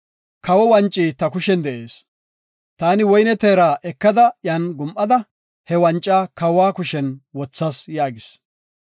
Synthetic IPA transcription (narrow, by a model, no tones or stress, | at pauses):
kɐwɔwɐnt͡ʃʼːiːt̪ɐkʊʃɛnd̪ɛʔe̞ːs | t̪aːnɪwɔjnɛt̪eːɾaːʔɛkːɐd̪ɐjanɡʊmʔɐd̪ɐ | hɛwɐnt͡ʃʼːaːkɐwaːkʊʃɛnwɔt͡sːɐsjaːɡɪs